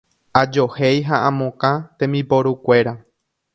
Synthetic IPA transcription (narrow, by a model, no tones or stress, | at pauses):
ad͡ʒohejɦaʔãmõkãt̪ẽ̞mĩpoɾukʷe̞ɾa